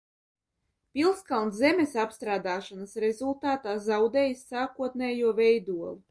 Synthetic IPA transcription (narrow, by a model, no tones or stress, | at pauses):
pilˠskalˠnzɛmesapst̪ɾaːd̪aːʃanasɾezulˠt̪aːt̪aːzawd̪ɛːjisːaːkuɔt̪̚nɛːjuɔvɛjd̪uɔlˠu